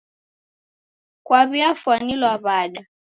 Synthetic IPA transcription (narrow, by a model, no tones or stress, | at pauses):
kwaβiafwanilwaβaɗa